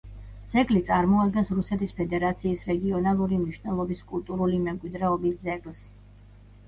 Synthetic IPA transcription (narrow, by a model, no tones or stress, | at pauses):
d̪z̥ɛɡʼlit̪sʼaɾmɔad̪̚ɡɛnsɾusɛt̪ʰispʰɛd̪ɛɾat̪sʰiːsɾɛɡiɔnalˠuɾimniʃnɛlˠɔbiskʼulˠt̪ʼuɾulimɛmkʼwid̪ɾɛɔbiszɛɡʼls